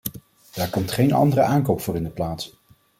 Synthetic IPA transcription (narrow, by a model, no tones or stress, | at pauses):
d̥aːɹkɔmtχejnɑ̰ndərəʔaːŋkowpfʊːɾɪndəplaːts